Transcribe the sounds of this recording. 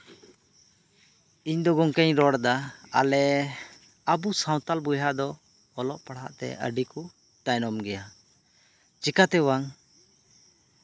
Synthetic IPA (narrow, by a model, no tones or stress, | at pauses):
iɲd̪ɔɡɔŋkɛɲɾɔɽd̪aa̰lɛ | əbusaw̃t̪albujɦad̪ɔː | lɔʔpaɽa̰ʔt̪ɛ̰ʔə̰ɖiku | t̪ajnɔmɡɛja | t͡ʃikat̪ɛwaŋ